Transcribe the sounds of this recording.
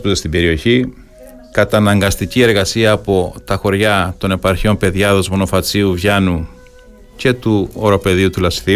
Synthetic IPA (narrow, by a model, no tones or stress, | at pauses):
put̪est̪ibe̞ɾio̞çi | kɐt̪ɐnɐŋɡɐst̪icie̞ɾɣɐsiɐːpo̞t̪ɐxo̞ɾʝɐt̪o̞ne̞pɐɾçio̞mpe̞ðʝɐðo̞zmo̞no̞fɐt͡siuvʝɐnu | ce̞t̪uoɾo̞pe̞ðiut̪ulɐsθi